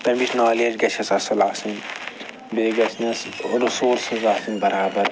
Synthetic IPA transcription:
t̪ɐmitnaːleːd͡ʒɡɐt͡ʃʰɐsɐsɐlaːsɐn | beːɡɐsʰnɐsɾusoːɾsɐzaːsɐnbɐɾaːbɐɾ

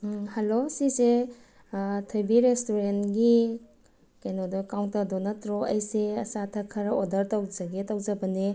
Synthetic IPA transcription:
hɐlosise | tʰojbiɾestoɾentɡi | kajnodokawntɐdonɐtɾoɐjseɐsatʰɐkʰɐɾodɐɾtawzɐɡetawzɐbɐne

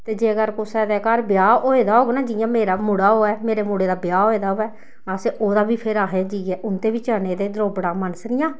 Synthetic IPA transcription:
t̪eːd͡ʒeːɡəɾkʊsɛːd̪ɛːkaɾbjaːoːeːd̪aːɦoːɡnaːd͡ʒɪjãːmeːɾaːmuɽaːɦoːɛːmeːɾeːmuɽeːd̪aːbjaːɦoːeːd̪aːɦoːɛː | əseʔoːd̪aːbiːpʰɪɾaːɦeːd͡ʒiːɛːʔʊnt̪eːbiːt͡ʃəːneːd̪eːd̪əɾoːbɽaːmənəsnɪjãː

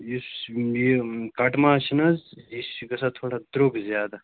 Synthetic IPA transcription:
jisjekɐʈmaːʃinɐzjisɡɐsat̪ʰoːɽad̪ɾokɡzjaːd̪a

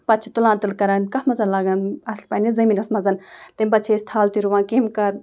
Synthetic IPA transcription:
pɐt̚ːt͡ʃʰit̪ulãːnt̪ɨlkɐɾaːnkɐhmɐzɐnlaːɡɐnɐslpɐnezɐmiːnɐsmɐzɐnt̪ɐmpɐt̪t͡ʃʰest̪ʰaːlt̪iɾuʋãːnkimkɐɾ

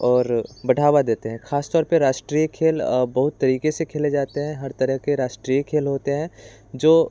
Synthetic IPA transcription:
ɔːɾbɐɽʱaːwad̪eːt̪eɦɛ̃kʰaːst̪ɔːɾpɐɾaːʃʈɾiːjəkʰeːlbɐɦʊt̪ːɐɾiːkesekʰeːled͡ʒaːt̪eɦɛ̃ɦɐɾt̪ɐɾəɦkeɾaːʃʈɾiːjəkʰeːlɦoːt̪eɦɛ̃ː | d͡ʒoː

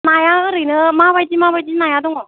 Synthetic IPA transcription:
najaɯɾɯjnɯmabajd͡ʒimabajd͡ʒinajadɔŋɔ

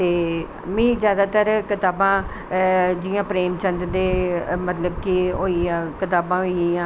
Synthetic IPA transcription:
t̪eː | mĩːzjaːd̪aːt̪əɾkɪt̪aːbãː | d͡ʒɪjãːpɾeːmt͡ʃə̃nd̪d̪eːmət̪ləbkiɦoːiãːkɪt̪aːbãːɦoiĩːãː

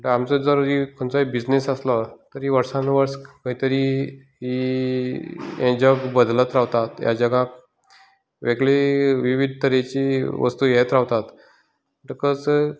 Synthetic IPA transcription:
məʈəamt͡səd͡zəɾuɾikʰoɳt͡saɦibid͡ʑnesaslɔt̪əɾiʋəɾsãnʋəɾskəɦit̪əɾi | ɦi | ɛ̃d͡ʑəɡbəd̪lət̪ɾaʋt̪at̪ja̰d͡ʑəɡãk | ʋeɡɭeʋiʋid̪̚ʱt̪əɾet͡ɕiʋə̰st̪uːjɛt̪ɾaʋt̪at̪ | məʈəkət͡s

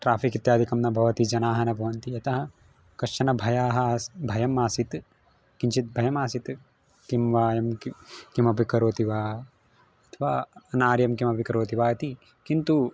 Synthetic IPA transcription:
ʈɾaːfikit̪jaːd̪ʱikɐmnɐbʱɐʋɐt̪id͡ʒɐnaːɦɐnɐbʱɐʋɐnt̪iɐt̪ɐɦɐ | kɐʃɐnɐbʱɐjaːɦɐbʱɐjɐmaːsit̪ | kint͡ʃit̪̚bʱɐjɐmaːsit̪ | kimʋaːjɐmkimɐpikɐɾoːt̪iʋaː | ɐt̪ʰɐʋaːɐnaːɾjɐmkimɐpikɐɾoːt̪iʋaːɐt̪i | kint̪u

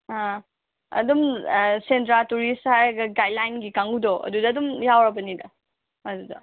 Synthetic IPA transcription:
ɦa | ɐ̰dumsentɾatuɾisthajɐɡɐɡajlajnɡikaŋudoɐ̰dudɐːdumjawɾɐbɐnidɐ | ɐdudɐ̰

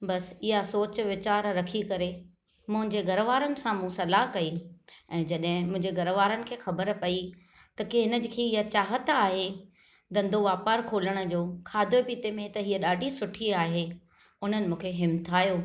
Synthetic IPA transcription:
bɐsɪɦasoːt͡ɕʋɪt͡ɕaːɾɾɐkʰikɐɾe | mʊ̃ɦɪ̃ɲd͡ʑeɡɐɾʋaːɾənɪ̆sãmũsɐlaɦkɐiɛ̃ːd͡ʑɐɗɦɪ̃mʊ̃ɦɪ̃ɲd͡ʑeɡɐɾʋaːɾənɪ̆kʰeːxɐbəɾpɐi | t̪ɐkeɦɪnəd͡ʑɪ̆kʰeːɪɦat͡ɕaːɦət̪aːɦe | d̪ɐ̃nd̪ʱoʋaːpəɾkʰoːləɽ̃ʊ̆d͡ʑoːkʰaːd̪ʱopiːt̪emẽt̪ɐɦiəɗaːɖʱisʊʈʰiaːɦe | ʊn̤ənɪ̆mũːkʰeɦɪmt̪ʰaːjoː

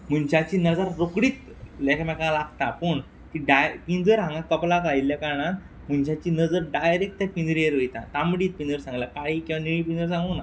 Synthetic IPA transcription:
m̤uɳɕat͡ɕiːnəd͡zaɾːokɽiːt̪ | lɛkʰmɛkalaɡt̪apəɳ | t̪iɖajpind͡zəɾɦãŋɡãkəplakailjakaɳ̃ãt̪ | m̤unɕat͡ɕiːnəd͡zəɾɖajɾek̚ʈt̪apind͡zɾieɾɦojt̪at̪amɽiːt̪̚pind͡zəɾsãŋɡlakaɭiːkĩwʋaniɭ̃ĩpĩnd͡zəɾsãŋɡuna

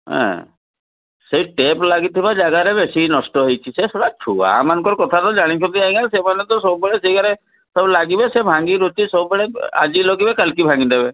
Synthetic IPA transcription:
ɦɛ̰̃ | seɦiʈeplaɡit̪ʰibad͡ʒaɡaɾebesinɔsʈɔɦojt͡ʃʰisesɔɽat͡ʃʰua̰mankɔɾkɔt̪ʰat̪ɔd͡ʒaɽ̃it͡ʃʰɔt̪iaɦĩasemanet̪ɔsɔbbeɽeseikaɾe | sɔblaɡibesebʱãŋɡiɾot̪isɔbbeɽea̰d͡ʒiloɡibekəlkibʱãŋɡind̪ebe

